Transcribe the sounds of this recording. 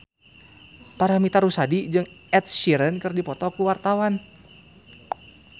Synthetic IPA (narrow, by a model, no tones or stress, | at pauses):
paɾamit̪aɾusadid͡ʒɨŋɛt̪̚ʃiɾənkərdipɔt̪ɔkuwart̪awan